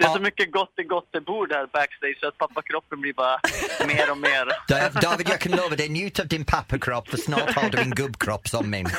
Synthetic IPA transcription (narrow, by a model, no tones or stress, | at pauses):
d̥̪ɛsɔmʏkːəɡɔt̪ːɛɡɔt̪̚ːd̪ɛbuːɖæːɾbækst̪eɪ̥sat̪̚pʰapːakʰɾɔpːənblibɑːɾameːɾɔmeːɾd̥aɪəvdɑːvɪdjəkʰə̃nloːvədenjʉːtʰəvdɪ̃npʰapʰəkʰɹ̥ɔpfəsnɔːlhaːdəɹɪ̃ŋɡʊbkʰɹ̥ɔpsɔnmɪ̰n